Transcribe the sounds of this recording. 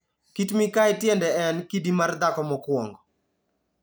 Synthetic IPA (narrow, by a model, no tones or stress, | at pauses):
kitmikaɪtjɛndɛɛnkidimard̪akɔmɔkwɔŋɡɔ